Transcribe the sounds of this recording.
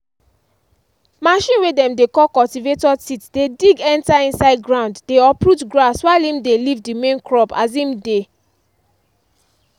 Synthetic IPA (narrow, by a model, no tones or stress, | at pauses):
maʃĩnwedɛ̃mdekɔkɔltivetɔsitdediɡɛ̃ntaĩnsaɪd̚ɡɹãʊ̃nddeɔpɹutɡɹaswaɪlĩmdelivdimẽnkɹɔpazĩmde